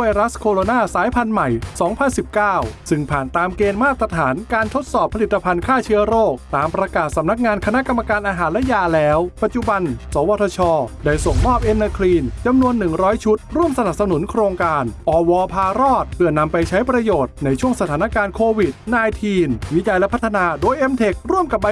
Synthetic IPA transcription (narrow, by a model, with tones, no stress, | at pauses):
wa˧jɾa˦˥skʰoː˧ɾoː˧naː˥˩saː˩˦jpʰa˧nma˨˩jsɔː˩˦ŋpʰa˧nsi˨˩p̚kaː˥˩wsɯ˧˩ŋpʰaː˨˩nt̪aː˧mkeː˧nmaː˥˩t̪ɾa˧t̪ʰaː˩˦nkaː˧nt̪ʰo˦˥t̪̚sɔː˨˩pʰa˧li˨˩t̪ːa˧pʰa˧nkʰaː˥˩t͡ɕʰɯː˦˥ɐɾoː˥˩k̚t̪aː˧mpɾa˧kaː˨˩t̪̚sa˩˦mna˦˥k̚ŋaː˧nkʰa˧na˦˥ʔka˧mːa˧kaː˧nʔaː˧ɦaː˩˦nlɛ˦˥jaː˧lɛː˦˥wpa˨˩t̪̚t͡ɕu˨˩ba˧nsɔː˩˦waː˧t̪ʰɔ˧t͡ɕʰɔː˧da˥˩jso˨˩ŋmɔː˥˩p̚ʔe˧nːaː˧kʰliː˧nt͡ɕa˧mnu˧ənːɯ˨˩ŋɾɔː˦˥jt͡ɕʰu˦˥t̪̚ɾu˥˩əmsa˧na˨˩p̚sa˧nu˨˩˦nkʰɾoː˧ŋkaː˧nʔɔː˧wɔː˧pʰaː˧ɾɔː˥˩t̪̚pʰɯ˥˩əna˧mpa˧jt͡ɕʰa˦˥jpɾa˧joː˨˩t̪̚na˧jt͡ɕʰu˥˩əŋsa˧t̪ʰaː˩˦na˦˥kaː˧nkʰoː˧wi˨˩t̪̚naː˧jt̪ʰiː˧nwi˦˥t͡ɕa˧jlɛ˦˥pʰa˦˥t̪ʰːa˧naː˧doː˧jʔe˧˥mt̪ʰe˨˩k̚ɾu˥˩əmka˨˩p̚ːa˧